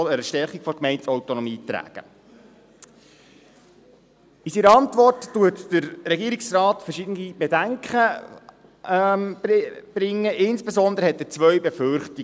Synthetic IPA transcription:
ɔləɾəʃtɛɾχikfɔɾkmɛɪntɔwtɔnɔmiːt̪ɾæ̰ːɡ̥ə̰ | isiɾəɑntʋɔrtːuətd̥əɾɾɛɡiːɾiksrɑːtfəʃɪdənib̥edæŋkχə | bb̥ɾɪŋːəʔɪnsb̥esɔnd̪əɾəhɛtət͡sʋœɥbefʏɾχti

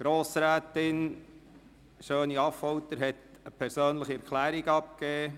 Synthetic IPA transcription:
ɡ̥ɾoːsɾæːtɪn | ʃøːniɑfɔwt̪əɾɦɛt | əpʰɛɾsøːnləχiɛɾkʰlæːɾiɡɑp̚keː

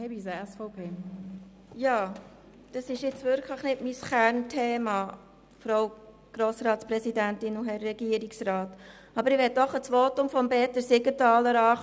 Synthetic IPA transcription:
hɛbisəɛsfoʊpʰeː | jɑː | d̥ɑsɪʃɪt͡svʏɾkʰləχnɪtmisχæɾntʰeːmɑ | fɾoʊ | ɡ̥ɾoːsɾɑːtspɾɛsidæntɪnuɦɛrːɛɡiəɾiksrɑːt | ɑbəɾɪʋɛt̚dɔχət͡sʋoːtʊmfɔmbɛːtəsɪɡətɑːləɾɑː

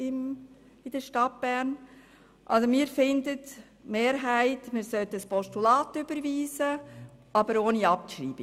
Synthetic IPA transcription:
ɪm | ɪd̥əʃtɑt̚b̥æːɾn | ʔɑ̰lsomiːɾfɪndət | meːɾɦæɪtmɪːɾsœtəspʰɔʃtulɑːtʏb̥əɾviːzəɑbəɾoːniɑp̚ʃɾḭːb̥i

